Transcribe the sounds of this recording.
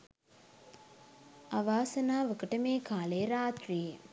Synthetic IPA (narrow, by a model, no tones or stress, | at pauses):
aʋaːsɐnaːʋəkəʈəmeːkaːleɾaːt̪ɾije